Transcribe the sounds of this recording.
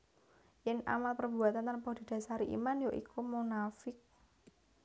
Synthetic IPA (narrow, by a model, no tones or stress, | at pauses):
jɛna̰malpərbṳat̪ant̪anpod̪̥i̤d̥a̤saɾiʔḭmanjoʔḭkumunafɪk̚